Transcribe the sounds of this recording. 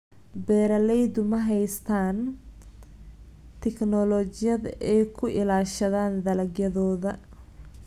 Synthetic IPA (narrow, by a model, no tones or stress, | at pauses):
bɛːɾɐlɛjd̪ʊmɐɦɛjst̪ʰaːn | t̪ʰɛknɔlɔt͡ʃɪjɐðɛjkʰʊʔɪlaːʃɐðaːnd̪ɐlɐɡjɐðɔːðɐ